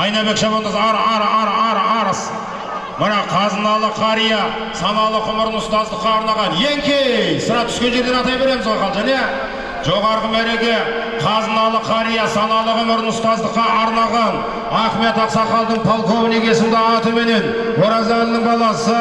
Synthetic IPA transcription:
ɑjnɑbe̞kʃɑbond̪əzɑɾɑɾɑɾɑɾɑɾəs | məɾɑqʰːɑzənɑlˠəqʰɑɾija | sɑnɑlˠəqʊmɪɾnʊst̪ɑzd̪əqːɑːɾnɑʁɑnjeŋkʲʰejsəɾɑt̪ʰʏ̥skʲe̞nʒe̞ɾd̪e̞nɑt̪ɑjbe̞ɾe̞mɪzwoqɑlˠʒæne̞ | ʒo̞ʁɑɾʁəbæɾe̞ɡʲe̞ | qʰɑzənɑlˠəqʰɑɾijɑsɑnɑlˠəqəmɪɾnʊst̪ɑzd̪əqːɑʔɑɾnɑʁɑn | ɑχme̞t̪ɑqsɑqɑlˠd̪əɴpʰolˠkʰo̞vneɡʲe̞sɪnd̪ɑɑt̪əme̞ne̞n | woɾɑzælɪnɪŋbɑlˠɑsə

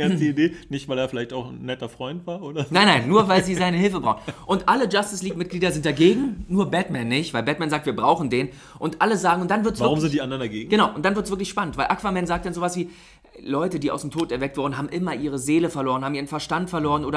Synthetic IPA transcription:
adiideːnɪçtvaɪleːɐfɪlaɪçtaʊxn̩ːɛtɐfʁ̥ɔʏntv̥aːɐʔoːdɐnaɪnːaɪnːuːɐvaɪlziːzaɪnəhɪlfəbʁa̰ʊxənʔʊntʔaləd͡ʒastɪsliːkmɪt̚ɡ̥liːdɐzɪnt̚d̥aɡeːɡŋ̩nuːɐbɛtmɛnːɪçtv̥aɪlbɛt̚mɛnzaːk̚tv̥iːɐbʁaʊχn̩deːn | ʔʊntʔaləzaːɡŋ̩ʊntd̥anvɪɐtsvaʁʊmzɪntd̥iːʔandɐndaɡeːɡŋ̩ɡ̥ənaʊʔʊntd̥anvɪɐtsv̥ɪɐk̬lɪçʃpanəntv̥aɪʔakv̥amɛnzaːktd̥anzoːvasv̥iː | lɔʏtədiːʔaʊsd̥em̩tʰoːtɛɐvɛk̚tv̥ʊɐdn̩ɦaːbm̩ʔɪmɐʔiːʁ̞əzeːləfɛɐloːʁənhaːbmʔiːʁənfɛɐʃtantfɛɐloːʁənoːɾɐ

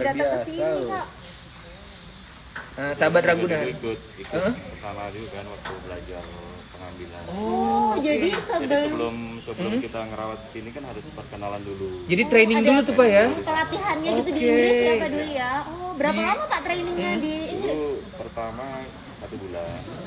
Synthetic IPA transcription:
bɾat̪akəinikaʔ | əsabat̪̚raɡunaʊt̪̚it̪əuʔəəsaladuukanwak̚t̪ubəlad͡ʒar | pəŋambila̰nɔɔd͡ʒadisabəblʊmsəbəʊkit̪aŋəɾawat̪̚kə̥sinikanɦaɾʊsəpət̪̚kənalandulud͡ʒadit̪ɾenɪŋdulut̪upajakəlat̪iɦanɲaɡit̪udikenapadulujaɔbəɾapalamapaʔt̪ɾenɪŋɲadiinipərt̪ama | sat̪ubula

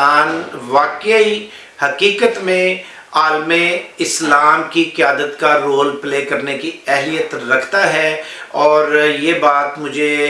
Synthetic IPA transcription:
aːnʋaːki | hɐkiːkət̪mẽ | aːlmeɪslaːmkikɪjaːd̪ət̪kaɾoːlpleːkɐɾnekiɛɦlijət̪ɾɐkʰt̪aɦɛɔːɾjeːbaːt̪mʊd͡ʒʱe

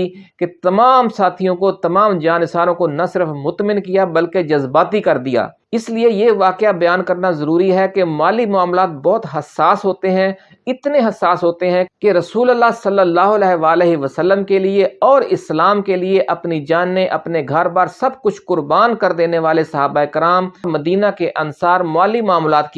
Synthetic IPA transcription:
ket̪ɐmaːmsaːt̪ʰijõkot̪ɐmaːmd͡ʒaːnɪsaːɾõkonɐsɪɾəfmʊt̪mɪ̃nkijabɐlked͡ʒɐzbaːt̪ikɐɾd̪ija̰ː | ɪsliejeʋaːkɪjabɐjaːnkɐɾnazɐɾuːɾiɦɛkemaːlimʊaːmlaːt̪̚bɔːt̪ɦɐsːaːsɦoːt̪eɦɛ̃ | ɪt̪neɦɐsːaːsɦoːt̪eɦɛ̃keɾɐsuːləlːasɐlːəlːaːɦʊlɛːʋaːleɦiʋəsəlːəmkelieɔːɾɪslaːmkelieʔɐpnid͡ʒaːnːeʔɐpneɡʱɐɾbaːɾsɐbkʊt͡ʃʰkʊɾbaːnkɐɾd̪eːneʋaːlesɐɦaːbaeɪkɪɾaːmmɐd̪iːnakeʔɐnsaːɾmʊaːlimʊaːmlaːt̪̚ki

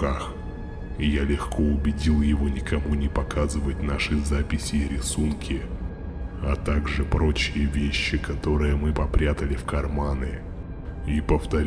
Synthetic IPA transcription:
kax | ijalʲɪxkʰo̞ʊbʲɪdʲilˠjɪvo̞nʲɪkɐmunʲɪpɐkʰazɨvət̚ʲnaʂɨzapʲɪsʲɪːɾʲɪsunkʲʰɪ | ɐt̪aɡʐɨpɾo̞t͡ɕɪjəvʲeɕːɪkɐt̪o̞ɾɨjəmɨpɐpɾʲat̪əlʲɪfkɐrmanɨ | ipəft̪ɐɾʲ

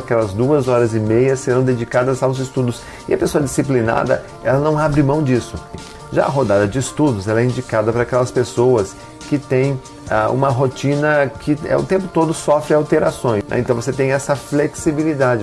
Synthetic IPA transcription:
akɛlɐzd̪uɐzɔɾɐzɪmejɐseɾɐ̃w̃d̪ed͡ʒikad̪ɐzawzɪst̪ud̪ʊs | ɪɐpesoɐd͡ʒisiplina̰d̪ɐ̰ | ɛlɐnɐ̃w̃abɾɪmɐ̃w̃d͡ʒisʊ | ʒa̰ɐɦod̪ad̪ɐd͡ʒɪːst̪ud̪ʊzɛlɛĩnd͡ʒikad̪ɐpɾɐakɛlɐspesowɐs | kɪt̪ẽj̃ | aṵ̃mɐɦot͡ʃĩnɐkʰɪɛ̰ʊ̰t̪ẽmpʊt̪od̪ʊsɔfɾɪawt̪eɾasõj̃snɛ̰̃ẽt̪ɐ̃w̃voset̪ẽj̃ɛsɐfleksibilid̪ad͡ʒɪ

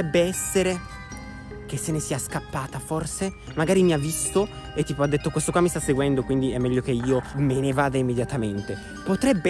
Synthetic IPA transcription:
ɛbːeɛsːeɾe | kesːenesiːaskapːaːt̪aforse | maɡaːɾimiavːist̪o | et̪ːiːpoad̪ːet̪ːokwest̪okwamist̪asːeɡwɛnd̪okwind̪iɛmːɛʎːok̟eiːomenevaːd̪aimːed̪jat̪ament̪e | pot̪ɾɛbː

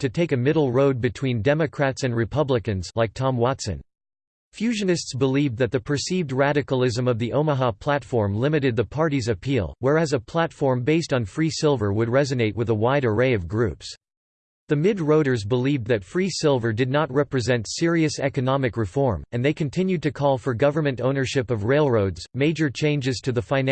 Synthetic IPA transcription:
tʰɨtʰeɪkɨmɪɾl̩ˠɹoʊd̚bɨtʰw̥ĩndɛmɨkʰɹ̥ætsɨ̃nɹɨpʰʌblɨkɨ̃nzlaɪk̚tʰɑ̃mwɑtsɨ̰̃n | fjʉʒɨ̃nɨstsb̥əlivðɨt̪̚ðɨpʰə˞sivd̚ɹæɾɨkəl̩ˠɪzə̃mʌvðiʔõʊ̃məɦɑpʰl̥ætfɔɹmlɪ̃mɨɾɨd̪̚ðɨpʰɑɹɾizɨpʰilˠwə˞æzəpʰl̥ætfɔɹmbeɪstn̩fɹisɪlˠvə˞wəd̚ɹɛzɨneɪʔ̚wʔɨðəwaɪɾə˞ɹeɪʌvɡɹʉps | ðɨmɪd̚ɹoʊɾə˞zbəlivðɨtfɹisɪlˠvə˞dɨdⁿnət̚ɹɛpɹɨzɛ̃ntsɪɹiɨsɛkɨnɑmɨkɹɨfɔɹmɨ̃nðeɪkʰɨ̃ntʰɪ̃njʉd̚tɨkʰɔlˠfə˞ɡʌvə˞mɨ̃ntõʊ̃nə˞ʃɪpʌvɹeɪlˠɹoʊdz̥meɪd͡ʒə˞t͡ʃʰẽɪ̃nd͡ʒɨz̥tʰɨðɨfãɪ̃n

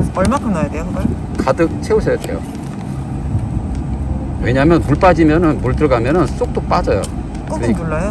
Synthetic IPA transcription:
ʌɭmakʰɯnnajadejoɡ | kadɯk̚t͡ɕʰe̞uɕʰʌjade̞jo̰ | we̞ɲamjʌnpuɭp͈ad͡ʑimjʌnɯnmoɭtɯɾʌɡamjʌnɯns͈ok̚t͈ok̚p͈ad͡ʑʌjo̰ | kɯɾʌɲiuɭːajo

